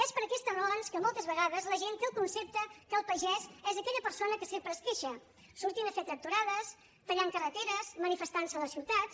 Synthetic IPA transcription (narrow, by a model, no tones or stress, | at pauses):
ɛspəɾəkɛst̪ənonskəmɔlˠt̪əzβəɣaðəzləʒent̪eəlˠkunsep̚t̪əkəːlˠpəʒɛzɛzəkɛʎəpəɾsonəkəsempɾəskeʃə | suɾt̪inəfet̪ɾək̚t̪uɾaðəs | t̪əʎaŋkərət̪eɾəzmənifəst̪ansələsiwt̪at̪